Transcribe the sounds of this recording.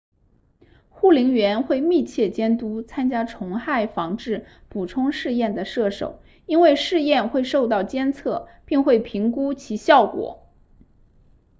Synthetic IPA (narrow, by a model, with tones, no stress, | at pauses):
xu˥˩li˧˥ŋɥɛ˧˥nxwe˥˧ɪmi˥˧t͡ɕʰjɛ˥˩t͡ɕjɛ˥nt̪u˥t͡sʰa˥nt͡ɕja˥ʈ͡ʂʰʊ˧˥ŋxa˥˩ɪfɑ˧˥ŋʈ͡ʂɻ̩˥˩pu˨˩ʈ͡ʂʰʊ˥ŋʂɻ̩˥˧jɛ˥˩nd̪ə˩ʂɤ˥˩ʂo̰˨˩˦ʊ | i˥nwe˥˧ɪʂɻ̩˥˧jɛ˥˧nxwe˥˧ɪʂo˥˧ʊt̪ɑ˥˩ʊt͡ɕjɛ˥nt͡sʰɤ˥˩pi˥˧ŋxwe˥˩ɪpʰi˧˥ŋku˥t͡ɕʰi˧˥ɕjɑ˥˩ʊkwɔ̰˨˩˦